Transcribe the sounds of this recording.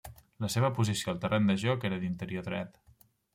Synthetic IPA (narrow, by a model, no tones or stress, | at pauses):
ləseβ̞əpuzisijolˠt̪ərʔend̪əʒɔkeɾəðint̪əɾijoðɾɛt̪